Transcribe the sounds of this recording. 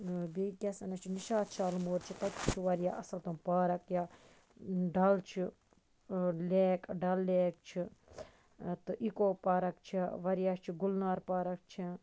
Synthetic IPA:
biːkʲɐsɐnɐt͡ʃʰiniʃaːt̪t͡ʃʰaːlmoːɾt͡ʃʰit̪ɐkʲit͡ʃʰiʋɐɾjaːʔɐsɐlt̪umpaːɾɐkja | ɖɐlt͡ʃʰi | leːkɖɐlːeːk̚t͡ʃʰi | t̪ɨʔikoːpaːɾɐkt͡ʃʰiʋɐɾjaːt͡ʃʰiɡulnaːɾpaːɾɐk̚t͡ʃʰi

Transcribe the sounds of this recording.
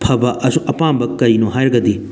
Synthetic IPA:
pʰɐbɐʔɐsũʔɐpãːmbɐkkːɐɾinũɦaːjɾɡɐd̪i

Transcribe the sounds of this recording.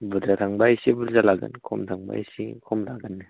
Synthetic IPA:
bud̪ɾat̪ʰaŋbajsibuɾzalaɡɯ̰nkʰɔmtʰaŋba̰jsikʰɔmlaɡɯnːɯ

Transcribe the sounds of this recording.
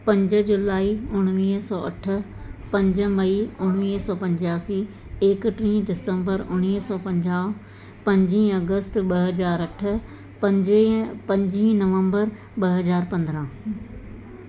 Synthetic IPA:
pɐ̃ɲd͡ʑə̆d͡ʑʊlaːiʊɽ̃ʋiːɦsɔːɐ̰ʈʰʊ̆ | pɐ̃ɲd͡ʑə̆mɐiʊɽ̃ʋiːɦsɔːpɐ̃ɲd͡ʑaːsiː | eːkʈɾĩːdɪsə̃mbəɾʊɽ̃iːɦsɔːpɐ̃ɲd͡ʑaːʋ | pɐ̃ɲd͡ʑĩːɐɡəst̪ɓɐɦɐzaːɾɐʈʰʊ̆ | ɐ | pɐ̃ɲd͡ʑĩnɐʋə̃mbəɾ | ɓɐɦɐzaːɾpɐ̃nd̪ɾãː

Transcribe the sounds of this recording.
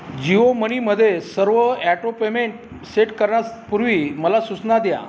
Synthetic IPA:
d͡ʑioməniməd̪ʱːjesəɾʋəɛʈopemeɳʈ̚ | seʈkəɾɳjaspuɾʋiːməlasut͡snad̪ja̰

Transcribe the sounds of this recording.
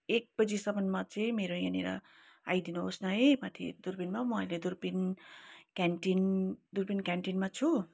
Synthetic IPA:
ek̚b̥ʌd͡zisʌbʱʌnmat͡sʌĩmeɾojaneɾʌ̰ | a̰jd̪inuɦosnʌɦʌjmat̪ʰḭd̪uɾbinmamʌʌjled̪uɾbin | kaɳʈind̪uɾpinkaɳʈinmat͡sʰu

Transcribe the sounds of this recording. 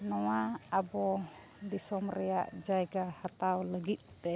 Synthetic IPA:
nɔwaabɔ | disɔmrɛa̰ʔd͡ʒaiɡahat̪awləɡiʔt̪ɛ

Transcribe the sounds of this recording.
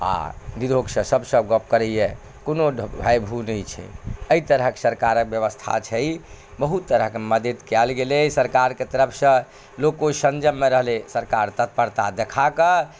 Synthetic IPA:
a̰niɾoɡsə̃səbsəb̚ɡəp̚kəɾɛijɛ | konobʱajbʱunəjt͡ʃʰɛ̰əit̪əɾəɦkesəɾkaɾək̚bjəβəst̪ʰa̰t͡ʃʰɛj | bəɦut̪ːəɾəɦkeməd̪ed̪kɛlɡelesəɾkaɾket̪əɾəpʰsə̃ | lokosənd͡ʒəmːeɾəɦlesəɾkaɾt̪ət̪̚pəɾt̪ad̪ekʰakə

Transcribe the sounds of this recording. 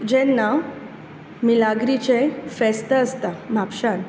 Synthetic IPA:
d͡ʑɛnːa | milaɡɾit͡ɕefɛst̪əəst̪am̤apɕan

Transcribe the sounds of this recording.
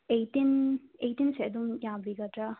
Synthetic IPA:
ejtinejtinseɐd̪umjambiɡatɾa

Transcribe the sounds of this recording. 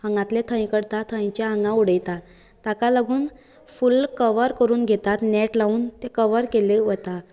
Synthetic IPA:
əŋɡãt̪let̪ʰə̃j̃kəɽt̪at̪ʰə̃j̃t͡ɕjaəŋɡãuɽəjt̪a | t̪akaləɡuːn | fulkəʋəɾkəɾuːnɡʱet̪at̪nɛʈlauːnt̪ekəʋəɾkeleʋət̪a

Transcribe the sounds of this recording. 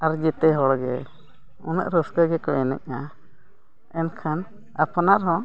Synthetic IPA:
aɾd͡ʒɛt̪ɛɦɔɽɡɛ̰ | unə̰ʔɾɔsɡaɡɛkɔɛnɛ̰c̚na | ɛnkʰan | apɔnaɾɦɔ̃

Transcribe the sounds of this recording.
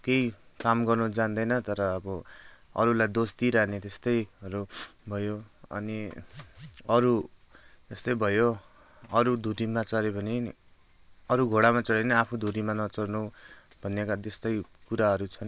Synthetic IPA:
kejkamɡʌrnud͡zand̪ʌjnʌt̪ʌɾʌːbʌʌ̰ɾulajd̪ost̪iɾanet̪est̪ʌjʌɾubʱʌjoʌ̰ni | ʌɾu | t̪est̪ʌjbʱʌjo | ʌɾud̪ʱuɾimat͡sʌɾebʱʌni | ʌɾuɡʱoɽamat͡sʌɽenʌapʰud̪ʱuɾimanʌt͡sʌrnu | bʱʌnːekat̪est̪ʌjkuɾaɦʌɾut͡sʰʌn

